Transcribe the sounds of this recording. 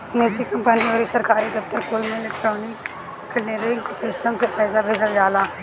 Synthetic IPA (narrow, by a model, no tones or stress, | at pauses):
neːsikɐ̃mpəniʋəɾisɐɾkaːɾid̪ɐft̪əɾkoːlmẽɪleːkʈɾoːnɪkː | leɾɪŋsɪsʈəmsepɛːsabʱeːd͡ʒəld͡ʒaːlaː